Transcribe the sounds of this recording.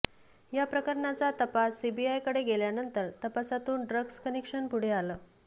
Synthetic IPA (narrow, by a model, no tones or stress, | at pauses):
japɾəkəɾɳat͡sat̪əpasːibiajkəɽeɡeljanənt̪əɾt̪əpasat̪uːnɖɾəɡskənekʂənpuɽ̤ealəː